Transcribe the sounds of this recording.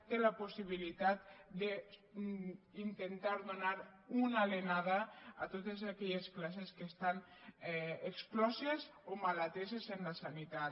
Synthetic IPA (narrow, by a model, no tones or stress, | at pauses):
t̪elapusiβ̞ilit̪at̪̚d̪e | int̪ent̪aɾðunaɾunalenaðaa̰t̪ot̪ezakɛʎesklaseskest̪an | eksplɔzezomalat̪ezezenlasanit̪at̪